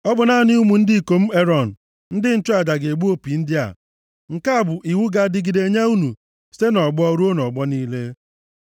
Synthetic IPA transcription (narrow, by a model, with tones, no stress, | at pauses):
ɔ˦bʊ˨na˨˦˨nɪ˦u˦mu˨n̩˦dɪ˦˨ko˨m̩˦e˦ɾɔ˨n̩˨ | n̩˦dɪ˦n̩˦tʊ˦a˨d͡ʒa˨ɡe˨ɡ͡bu˦o˦pi˨n̩˦dɪ˦a̰˨ | ŋ̩˨ka˦a˦˨bʊ˨ʔi˨wu˦ɡa˦dɪ˦ɡi˨de˨˦ɲa˦u˦nu˨ | se˦nɔ˨ɡ͡bɔ˦ɾu˦o˦nɔ˨ɡ͡bɔ˦niː˦le˦